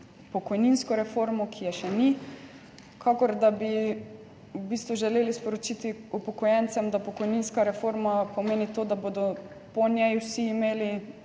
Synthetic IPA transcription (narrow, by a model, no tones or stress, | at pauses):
pɔkɔjninskɔɾɛfoɾmɔkʰijɛʃɛni | kʰakɔɾd̪abi | ubiːst̪ʋuʒɛleːlispɔɾot͡ʃit̪iupɔkɔjɛnt̪sɛmd̪apɔkɔjninskaɾɛfoɾmapɔmeːnit̪oːd̪abod̪ɔ | pɔnjɛjwsiːmeːli